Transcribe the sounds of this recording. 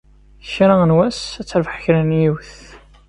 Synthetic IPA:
çɾaənwæsæt͡sːəɾvəħçɾænjiwθ

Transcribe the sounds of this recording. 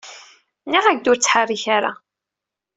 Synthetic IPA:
niʁæɡd̪ʊɾt͡sːħarːiçaɾa̰

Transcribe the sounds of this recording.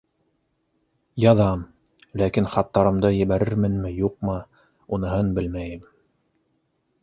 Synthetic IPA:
jɑðɑm | lækinχɑt̪ːɑɾɤ̆md̪ɤjɘ̆βæɾɘɾmɘnmɘjuq̚mɤ | unɤ̆ɦɤnbɘlmæjɘm

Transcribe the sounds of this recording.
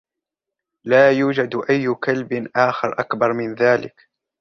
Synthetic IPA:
laːjuːd͡ʒad̪ʔajːʊkalbɪʔaːxɪɾˤʔakbɑɾˤmɪnðaːlɪ̰k

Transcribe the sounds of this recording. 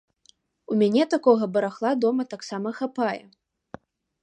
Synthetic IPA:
umʲanʲɛt̪akɔɣɐbɐɾaxlˠad̪ɔmɐt̪aksamɐxapajɛ̰

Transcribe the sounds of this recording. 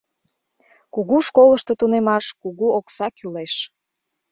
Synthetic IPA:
kuɣuʃkoləʃt̪ot̪unemɑʃkuɣuoksɑkyleʃ

